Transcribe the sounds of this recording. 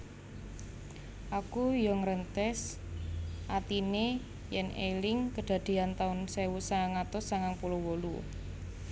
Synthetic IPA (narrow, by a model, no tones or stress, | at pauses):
ʔakujɔŋəɾənt̪ɛs | ʔat̪ine | jɛnelɪŋkəɖ̪̥ä̤d̪̥e̤ant̪aʊnsewusaŋaŋat̪ʊsaŋaŋpulowolṵ